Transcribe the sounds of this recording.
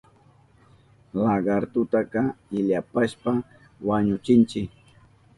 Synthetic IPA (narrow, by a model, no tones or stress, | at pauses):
laɢɑɾt̪ʊt̪akɑɪʎapaʃpa | waɲʊt͡ʃɪnt͡ʃɪk̚